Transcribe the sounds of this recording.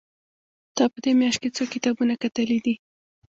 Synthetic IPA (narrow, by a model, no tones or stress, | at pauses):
d̪̥ɑpəd̪emjɑʃt̪̚ket͡sokɪt̪ɑbunakat̪əlid̪i